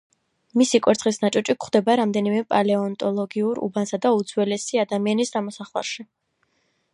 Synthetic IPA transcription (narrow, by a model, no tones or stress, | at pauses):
misikʼwɛɾt̪sʰχisnat͡ʃʼɔt͡ʃʼikχd̪ɛbaɾamd̪ɛnimɛpʼalɛɔnt̪ʼɔlˠɔɡiuɾṵbansad̪aud̪zwɛlɛsiad̪amianisd̪amɔsaχlˠa̰ɾʃi